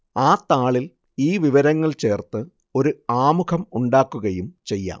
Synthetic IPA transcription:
aːt̪aːɭil | iːʋiʋɐɾɐŋːɐɭt͡ɕe̞ːrt̪ɨ | o̞ɾuaːmukɐmuɳɖaːkːuɣɐjumt͡ɕe̞jːa̰ːm

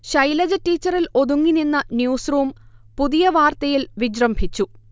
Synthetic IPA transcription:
ɕɐjlɐd͡ʑɐtːiːt͡ɕːɐrilo̞ðuŋːininːɐnjuːsruːmpuðijɐʋaːrt̪ɐjilʋid͡ʑrɐmbʱit͡ɕːu

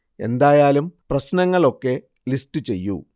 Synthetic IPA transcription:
e̞̰nd̪aːjaːlumprɐsnɐŋːɐɭo̞kːe̞ | listɨt͡ɕe̞̰jːṵ

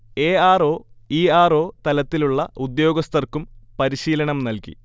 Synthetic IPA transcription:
e̞ːaːro̞ːiːaːro̞ːt̪ɐlɐt̪ːiluɭːɐud̪jo̞ːɡɐst̪ɐrkumpɐɾiɕiːlɐɳɐmnɐlkḭ

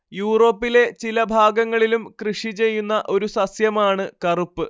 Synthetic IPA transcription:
juːro̞ːpːile̞t͡ɕilɐbʱaːɡɐŋːɐɭilumkrɨʂit͡ɕe̞jːunːɐʔo̞ɾusɐsjɐmaːɳɨkɐrupːɨ

